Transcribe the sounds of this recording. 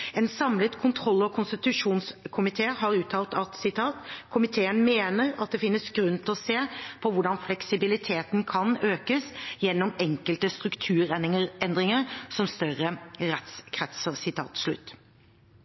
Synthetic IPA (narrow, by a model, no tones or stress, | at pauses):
ɛnsɑmlət̪kʰʊnt̪ʰɾɔlːɔkʰʊnst̪ɪt̪ʉʂuːnskʰʊmɪt̪ʰeːɦɑɾʉːt̪ʰɑːlt̪ɑt̪sɪt̪ʰɑːt̪kʰʊmɪt̪ʰeːənmeːnəɾɑt̪̚d̪ɛfɪnːəsɡɾʉnt̪ʰɪlɔseːpʰɔʋʊɖɑnflɛksɪbɪlɪt̪ʰeːt̪nkʰɑnøːkəsjɛnːɔmɛŋkəlt̪əst̪ɾʉkt̪ʰʉːɾɛəɛnd̪ɾɪŋəɾsɔmst̪œʁəɾɛt̪skʰɾɛt̪səɾsɪt̪ʰɑ̰ːt̪ʂlʉ̰t̪ː